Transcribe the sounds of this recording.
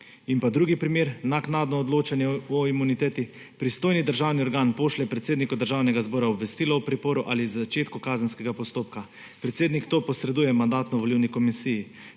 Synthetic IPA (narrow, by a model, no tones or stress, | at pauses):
inpad̪ɾuːɡipɾimeːɾnaknaːd̪nɔːd̪loːt͡ʃanjɛɔimunit̪ɛːt̪i | pɾist̪oːjnid̪əɾʒawniɔɾɡaːnpoːʃlɛpɾɛt̪seːd̪nikɔd̪əɾʒawnɛɡazbɔːɾaɔbʋɛst̪iːlɔwpɾɛpoːɾuʔaːlizat͡ʃeːt̪kɔkaːzənskɛɡapɔst̪oːp̚ka | pɾɛt̪seːd̪nikt̪oːpɔsɾɛd̪uːjɛmand̪aːt̪nɔʋɔliwnikɔmisiji